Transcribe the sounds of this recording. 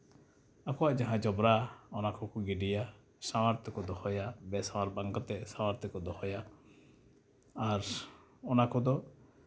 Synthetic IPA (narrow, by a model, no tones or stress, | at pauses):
akɔwaʔd͡ʒaɦãd͡ʒɔbɾaɔnakʰɔkuɡiɖija | samaɾt̪ɔkɔd̪ɔhɔjabɛsawaɾbaŋɡɔt̪ɛsawaɾt̪ʰɔkɔd̪ɔhɔja | ɾɔnakɔd̪ɔ